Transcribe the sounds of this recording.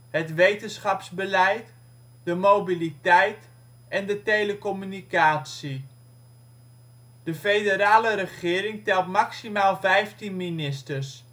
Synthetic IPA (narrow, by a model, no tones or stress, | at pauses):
hətʋejtənsχɑpzbəlɛjt | d̥əmowbilitɛjt | ɛndətejləkɔmynikaːsi | d̥əfejdəɾaːləɾəχɪːɾɪŋtɛlˠtmaksimaːlˠvɛjftinminɪstərs